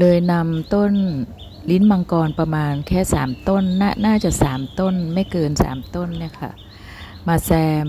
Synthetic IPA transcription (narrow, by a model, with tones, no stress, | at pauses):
lɤː˧jna˧mt̪o˥˩n | li˦˥nma˧ŋkɔː˧npɾa˧maː˧nkʰɛː˥˩sa̰ː˩˦mt̪o˥˩nːaː˥˩naː˥˩t͡ɕa˨˩ʔ̚sa̰ː˩˦mt̪o˥˩nma˥˩jkɤː˧nsa̰ː˩˦mt̪o˥˩nːi˥˩ɐkʰa̰˥˩ʔ | maː˧sɛː˧m